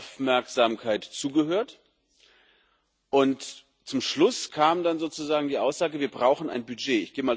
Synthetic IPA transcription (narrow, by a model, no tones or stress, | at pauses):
fmɛɐkz̥aːmkʰaɪtt͡suːɡəhøːɐt | ʔʊnt | t͡sʊmʃlʊskʰaːmdanzoːt͡suzaːɡŋ̩diːʔaʊsz̥aːɡəviːɐbʁaʊxn̩a̰ɪnbyd͡ʒeːɪ̰çɡ̥eːəmaː